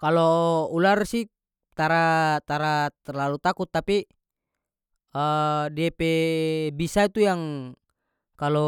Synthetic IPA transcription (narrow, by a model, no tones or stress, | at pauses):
kaloularsi | t̪aɾat̪aɾat̪ɛrlalut̪akut̪ːapi | ədiapɛbisait̪ujaŋ | kalɔ